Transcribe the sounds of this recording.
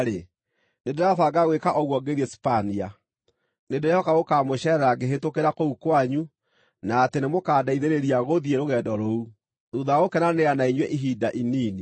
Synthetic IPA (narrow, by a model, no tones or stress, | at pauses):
ɾe | nedeɾaθaɡaɣwekaʔɔɣwɔɡeɾiɛspania | nedeɾejɔkaɣokamoʃɛɾɛɾaɡeɦetokeɾakoukwaɲu | naːtenemokadaiðeɾeɾiaɣoðieɾoɣɛːdɔɾou | uðaɣokɛnaneanaiɲwɛʔiɦidaʔiniːni